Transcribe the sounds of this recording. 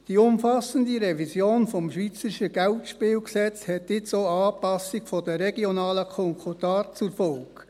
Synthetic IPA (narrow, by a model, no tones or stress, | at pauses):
d̥iʊmfɑsəndiɾɛvizjoːnfɔmʃʋiːt͡səɾiʃəɡ̥æltʃpɪːlksɛt͡shɛtːɪt͡soːɑːpɑsikfɔdəɾɛɡionɑːləkʰɔŋkʰotɑːtt͡sʊɾfɔlk